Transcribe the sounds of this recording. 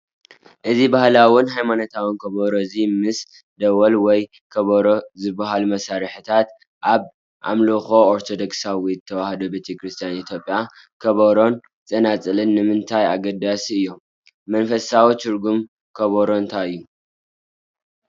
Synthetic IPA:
ʔɨzibahlawɨnɦajmanot̪ʰawɨnkʰɐβɐɾoɨzimɨs | d̪ɐwɐlwɔj | kʰɐβɐɾozɨbaɦalumɐsaɾɨħɨt̪ʰat̪ | ʔaβ | ʔa̰mloxo̞oɾt̪ʰod̪oksawijɨt̪ʰːɐwahd̪obet̪ʰekɾɨst̪ʰijanit̪ʰjo̞pʼja | kʰɐβɐɾo̞n | t͡sʼɐnat͡sʼɨlɨnːɨmɨnt̪ʰaja̰ɡɐd̪asiɨjːo̞ | mɐnfɐsawit̪ʰɨɾɡum | kʰɐβɐɾo̞nt̪ʰaɨjːu

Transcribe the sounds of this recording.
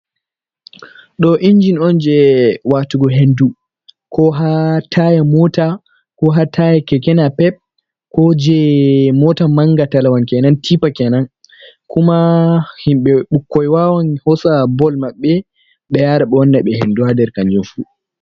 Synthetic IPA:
ɗɔʔind͡ʒinɔnd͡ʒɛwatuɡɔɦendu | kʰɔɦatʰajamɔta | kɔɦatʰajɛkɛkɛnapɛp̚ | kɔd͡ʒɛmɔtamaŋɡatalawankɛnantʰipakɛnan | kumahimɓɛɓukːɔjwawanhɔsabɔlmaɓːɛ | ɓɛjaːɾaɓɛɔnːaɓɛhenduadɛɾkand͡ʒunfu

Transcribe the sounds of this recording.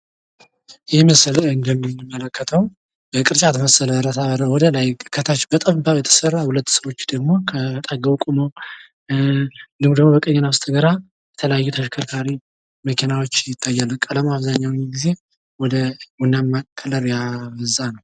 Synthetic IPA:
jɛməslɨnd̪əmimːələkʰːət̪ʰəw | b̥əkʼɨɾt͡ʃʼat̪ʰəməsːələɾət̪ʰaβəɾəwɔd̪əlajkʰət̪ʰat͡ʃːbət̪ʼəβbajɛt̪ʰə̥sərːahulət̪ːsəwo̞t͡ʃːd̪əɡmo̞kʰət̪ʼaɡəβkʼumo | d̪ɨmd̪əɡmobəkʼəɲːənaβst̪ʰəɡəɾa | jɛt̪ʰələjajːut̪ʰəʃkʰəlkʰaɾi | məkʰinawo̞t͡ʃːjɪt̪ʰːajːalːəkʼələmaβzaɲːawjiɡize̞ | wɔd̪əwɔnːamːakʰːələɾjaβəzanəw

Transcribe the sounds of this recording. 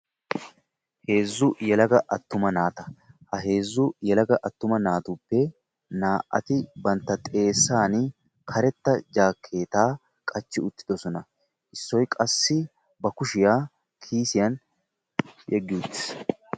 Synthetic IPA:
he̞ːzːʊjɛlɐɡɐʔɐt̪ːʊmɐnaːt̪ɐ̥hɐɦe̞ːzːʊjɛlɐɡɐʔɐt̪ːʊmɐnaːt̪uːpːɛ | naːʔʔɐ̰t̪ɪbɐnt̪ːɐt̪ʼe̞ːsːaːn | kʰɐɾɛt̪ːɐd͡ʒaːkʰːe̞ːt̪aː | kʼɐt͡ʃːɪʊt̪ːɪ̥d̪ɔsɔnɐ | ʔɪsːɔjkʼɐsːɪ | bɐkʊʃɪjaː | kʰiːsɪjɐn | jɛɡːɪʊt̪ːɪ̥s

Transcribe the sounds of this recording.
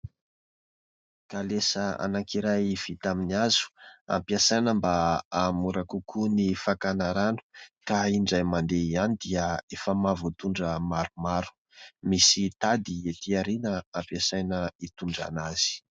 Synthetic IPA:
kalesəa̰naŋkiɾajv̥it̪aminiazu̥a̰mpiasajnəmbaamuɾakukʰunifakanaɾanu̥kaiɳɖ͡ʐajmand̪eianid̪iəefəmavut̪uɳɖ͡ʐəmaɾumaɾu̥ | misit̪ad̪iet̪iaɾinəampasajnəit̪uɳɖ͡ʐa̰naz̥i̥

